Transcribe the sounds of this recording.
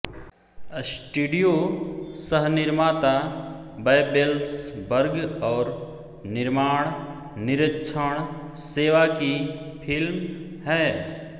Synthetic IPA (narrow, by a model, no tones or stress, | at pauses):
sʈuːɖijosəɦnɪɾmaːt̪abəjbelsbəɾɡɔːɾ | nɪɾmaːɽ̃ | nɪɾəkʃʰəɽ̃ | seːʋaki | pʰɪlm | hɛː